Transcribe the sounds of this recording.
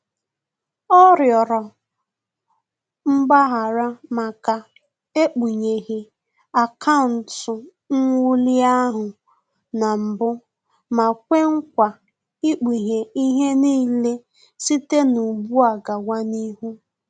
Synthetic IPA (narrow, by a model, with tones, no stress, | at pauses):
ɔ˦ɾjɔ˨ɾɔ˨ | m̩˦ɡ͡ba˦ɦa˨ɾa˦ma˨ka˨ | e˦k͡pi˨ɲe˨ɣi˨ | a˨kʰa˦ʊ˨n̩˨tʊ˨ | ŋ̩˦ŋu˦li˦a˦ɦʊ˨ | na˨m̩˨bʊ˦ | ma˨kʷe˦ŋ̩˦kʷa˨ | i˦k͡pi˨ɲe˨i˦ɦe˦niː˦le˦ | si˦te˦nu˨bu˦a˨ɡa˨wa˦ni˦ɦu˦